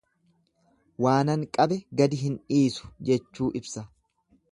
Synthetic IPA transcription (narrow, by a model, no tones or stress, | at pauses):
waːnɐŋkʼɐbɛɡɐd̪ɪɦɪniːsʊ̥d͡ʒɛt͡ʃːuːʔɪbsɐ